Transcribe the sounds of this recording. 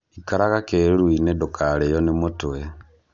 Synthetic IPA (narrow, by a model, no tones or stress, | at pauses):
ikaɾaɣakeɾuinedokʰalejonemutue